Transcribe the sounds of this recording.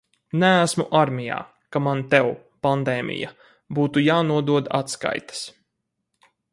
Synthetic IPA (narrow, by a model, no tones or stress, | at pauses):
nææsmuʔaɾmʲija̰ː | kamant̪ɛw | pand̪ɛːmʲʔḭja̰ | buːt̪ujaːnuɔd̪uɔd̪at̪ska̰jt̪ḁs